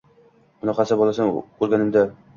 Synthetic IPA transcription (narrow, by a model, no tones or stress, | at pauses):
ʊnɒqʰɑsabɒlˠasaŋoɾɡʲanɪmd̪a